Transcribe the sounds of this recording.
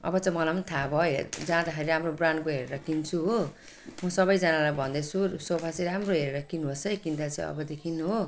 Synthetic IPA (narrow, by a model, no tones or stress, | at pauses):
ʌ̰bʌt͡sʌ̃mʌlamʌnit̪ʰabʱʌj̰d͡zãd̪akʰeɾiɾamrobranɖ̚koɦeɾeɾʌkint͡sʰuɦo | mʌsʌbʌjd͡zʌnalajbʱʌnd̪esʰusopʰat͡siɾamroɦeɾeɾʌkinɦosʌjkint̪at͡sʌ̰̃ʌ̰bʌd̪ekʰinːuɦo